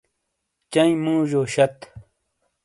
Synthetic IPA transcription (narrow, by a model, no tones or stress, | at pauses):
t͡ɕɐĩmũːʑoːɕɐt̪